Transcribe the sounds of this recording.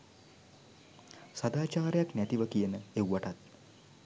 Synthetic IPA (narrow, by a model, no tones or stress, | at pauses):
sad̪aːt͡ʃaːɾəjaknæt̪iʋəkijənəewʋaʈat̪̚